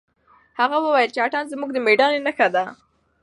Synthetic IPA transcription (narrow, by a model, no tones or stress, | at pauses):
haɣawəwajəlt͡ʃeaʈɑnzmuɡ̚d̪əmeɖɑnenəxad̪a